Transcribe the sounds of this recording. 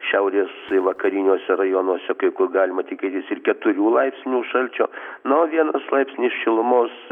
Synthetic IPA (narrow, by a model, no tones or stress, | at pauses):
ʃʲɛʊɾʲeːsɪʋɐkɐɾʲinʲoːsʲɛrɐjoːnoːsʲɛkɐɪkʊrɡɑːlʲɪmɐt̪ʲɪkʲeːt̪ʲɪsɪrkʲɛt̪ʊɾʲuːlˠɐɪpʲsʲnʲuːʃɐlʲt͡ʃʲo̰ːnoʋʲiɛnɐslˠɐɪpʲsʲnʲɪsʃʲɪlˠʊmoːs